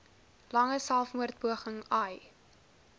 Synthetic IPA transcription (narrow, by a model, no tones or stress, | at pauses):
lɐŋəsælˠfmuərt̚buəχəŋɐj